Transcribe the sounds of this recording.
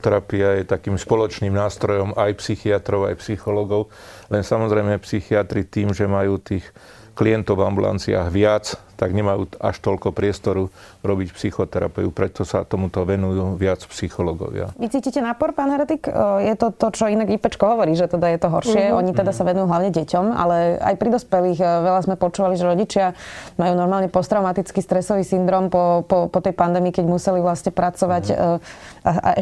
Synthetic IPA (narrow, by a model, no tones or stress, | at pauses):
t̪ɛɾapiajɛt̪akiːmspɔlɔt͡ʃniːmnaːst̪ɾɔjɔmajpsixiat̪ɾɔʊa̰jpsixɔlɔɡɔʊ | lɛnsamɔzɾɛjmɛpsixiat̪ɾit̪iːmʒɛmajuːt̪iːx | kliɛnt̪ɔʊvambula̰nt͡sia̰ːɣʋɪat͡st̪aɡɲɛmajuːa̰ʃt̪ɔʎkɔpɾɪɛst̪ɔɾuɾɔbicpsixɔt̪ɛɾa̰pɛupɾɛt̪ɔsa̰t̪ɔmut̪ɔʋɛnujuːʋɪat͡spsixɔlɔɡɔ̰ʋɪa̰ʋit͡siːciːcɛnaːpɔɾpaːnɦɛɾɛt̪ikjɛt̪ɔt̪ɔt͡ʃɔinaɡipɛt͡ʃkɔɦɔʋɔɾiːʒɛt̪ɛd̪ajɛt̪ɔɦɔɾʃɪɛɔɲit̪ɛd̪asaʋɛnujuɦlaʊɲɛɟɛcɔma̰lɛa̰jpɾid̪ɔspɛliːxʋɛʎazmɛpɔt͡ʃuːʋaliʒɛɾɔɟit͡ʃɪamajuːnɔɾmaːlɲɛpɔst̪ɾaʊmat̪it͡skiːst̪ɾɛsɔʋiːsind̪ɾɔːmpɔpɔpɔt̪ɛjpand̪ɛːmiːkɛɟmusɛliʋlasɲɛpɾat͡sɔʋacː | ʔaʔa̰ʔɛ